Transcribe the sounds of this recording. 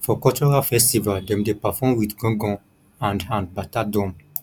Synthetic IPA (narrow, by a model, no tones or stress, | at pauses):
fɔkɔtɔɹafɛstivaldɛ̃mdepafɔmwidɡɔ̃ɡɔ̃ | ãndãnbatadɔ̃m